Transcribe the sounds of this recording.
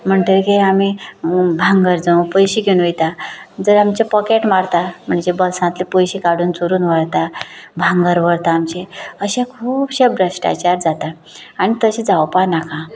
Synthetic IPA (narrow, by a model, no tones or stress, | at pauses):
m̤əɳʈ̪əɾkeamibʱãŋɡəɾd͡zə̃w̃pəjɕiɡeunʋejt̪ad͡zəɾamt͡ɕapɔkeʈmaɽt̪am̤əɳd͡ʑebəlsãt̪lipojɕikaɽuːnt͡soɾuːnʋəɽt̪abʱãŋɡəɾʋəɾt̪aːmt͡ɕeəɕãkʰuːpɕabɾəɕʈa̰t͡ɕaɾd͡zat̪aː | ɽ̃it̪əɕid͡zawpaɾnakʰã